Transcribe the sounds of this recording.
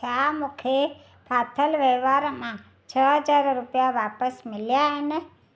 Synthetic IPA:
amʊkʰe | pʰat̪ʰəlʋeʋaɾmã | t͡ʃʰəɦəd͡ʒaɾɾupjaʋapəsmɪljaəne

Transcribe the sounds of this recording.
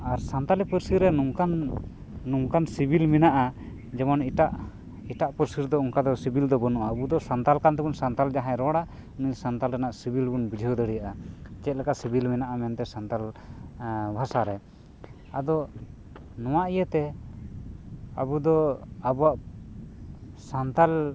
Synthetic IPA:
aɾsant̪alipəɾsiɾɛnuŋkanː | uŋkansibilminaʔa | d͡ʒɛmaniʈaʔ | iʈaʔpəɾsiɾd̪ɔuŋkad̪ɔsibild̪ɔbɔnuʔaəbud̪ɔsant̪alkant̪ɛbunsant̪ald͡ʒaɦãɾɔɽa | unisant̪alɾɛnaʔsibilbunbid͡ʒʱiud̪əɽijaʔat͡ʃɛt̪̚lɛkasibilmɛnaʔamɛnt̪ɛsant̪al | bʱasaɾɛ | ad̪ɔ | nɔ̃w̃aʔijət̪ɛ | a̰bud̪ɔabuwaʔ | sant̪al

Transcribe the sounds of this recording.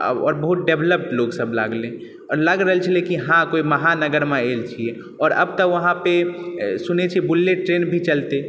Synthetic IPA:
ɔ̰ːɾbəɦut̪̚ɖebʱləp̚ʈloɡsəbla̰ɡlẽ | ɔːɾləɡɾəɦəlt͡ʃʰəlekiɦãkoiməɦanəɡəɾmeelt͡ʃʰie | ɔːɾə̰b̚t̪əʋəɦãpesunet͡ʃʰibulːeʈɾenbʱit͡ʃəlt̪e

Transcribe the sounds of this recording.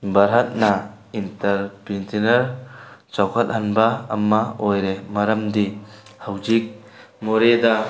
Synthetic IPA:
bɐɾɦat̚na | intɐɾpintʰinɐɾt͡ʃawkʰat̚hanba̰ːmːaojɾemɐɾɐmdihawd͡ʒik̚ | moɾeda

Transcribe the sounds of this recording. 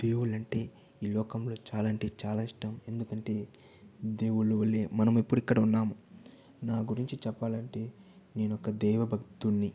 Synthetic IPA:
d̪̥e̞ːwuɭɐɳʈe̞ː | iːlɔːkɐmlo̞ːt͡ʃaːlaɳʈe̞ːt͡ʃaːlaːiʂʈɐme̞nd̪ukɐɳʈe̞ː | d̪e̞ːwuɭuʋɐlːeːmɐnɐmipːuɽikːɐɽɐunːaːmu | naːɡuɾiɲt͡ʃit͡ʃɛpːaːlɐɳʈe̞ː | ne̞ːnɔkɐd̪ɛːʋɐbʱɐkt̪unːi

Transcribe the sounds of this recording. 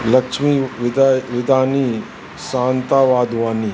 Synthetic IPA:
lɐkʃmi | ʋɪd̪aːni | saːnt̪aːʋaːd̪ʱʋaːni

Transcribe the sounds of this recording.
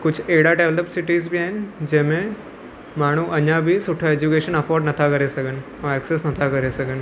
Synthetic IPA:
kʊd͡ʑʱeɦɽaɖeːʋləpsɪʈiːzbʱiaːɦɪnɪd͡ʑɐ̃ɦmẽ | maːɽ̤̃uʔɐɲabʱisʊʈʰaeːd͡ʑukeːʃənɐfɔːɾɖnɐt̪ʰakɐɾesɐɡʱənɪ̆ | ɛ̃ɛksesnɐt̪ʰakɐɾesɐɡʱənɪ̆

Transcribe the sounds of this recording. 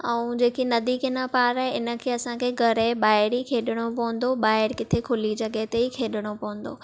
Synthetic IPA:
ɐ̃ũd͡ʑeːkinɐd̪ikɪnəpaːɾaɦeɪnə̆kʰeːɐsãkʰeːɡʱɐɾeɓaːɪɽikʰeːɗɪɽ̃opɐʋə̃n̆d̪oɓaːɪɾkɪt̪ʰekʰʊlit͡ɕɐɠet̪eikʰeːɗɪɽ̃opɐʋə̃n̆d̪oː

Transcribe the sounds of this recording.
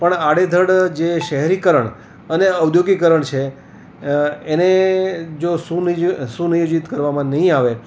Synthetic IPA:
pəɳaɽed̪ʱəɽd͡ʒeʃəɦɛɾikəɾəɳ | əneəwd̪ʱjoɡikəɾəɳt͡ʃʰe | ened͡ʒosusũnijod͡ʒit̪kəɾʋamãnəɦĩaʋe

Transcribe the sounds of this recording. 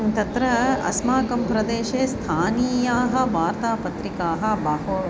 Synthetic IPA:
t̪ɐt̪ɾɐɐ̰smaːkɐmpɾɐd̪eːʃeːst̪ʰaːniːjaːɦɐ̆ʋaːɾt̪aːpɐt̪ɾikaːɦɐ̆bɐːɦoː

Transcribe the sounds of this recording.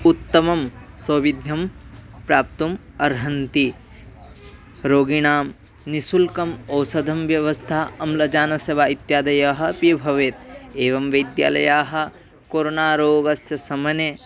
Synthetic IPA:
ut̪ːɐmɐmsɐːʋid̪ʱjɐmpɾaːp̚t̪um | ɐɾɦɐnt̪i | ɾoːɡiɳaːm | nisulkɐmɐːsɐd̪ʱɐmʋjɐʋɐst̪ʰaːɐmlɐd͡ʒaːnɐsɐʋaːit̪jaːd̪ɐjaɦɐ̆pibʱɐʋeːt̪eːʋɐmʋɐjd̪ja̰ːlɐ̰jaːɦɐ̆ | koːɾonaːɾoːɡɐsjɐsɐmɐne

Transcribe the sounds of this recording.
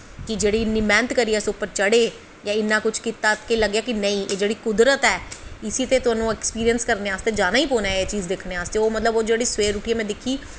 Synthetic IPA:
kɪd͡ʒeːɽiːɪnːĩmɛ̃ːnt̪kəɾiːɛːsʊpːəɾt͡ʃəɽeː | jãːɪnːãːkʊt͡ʃʰkit̪aːkeləɡjaːkɪnəĩːʔeːd͡ʒeːɽiːkʊd̪ɾət̪ɛːɪsiːt̪eːt̪ʊaːnũːɛkspiːɾijənskəɾneːaːst̪eːd͡ʒaːnaːiːpoːnaːeːt͡ʃiːzd̪ekʰneːaːst̪eːoːmət̪ləboːd͡ʒeːɽiːsʋeːɾuʈiːɛːmɛ̃ːd̪ɪkʰːiː

